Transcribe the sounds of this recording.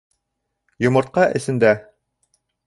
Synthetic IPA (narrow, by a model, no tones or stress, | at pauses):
jŏmɤ̆ɾt̪̚qɑʔɘ̆sɘ̆nd̪æ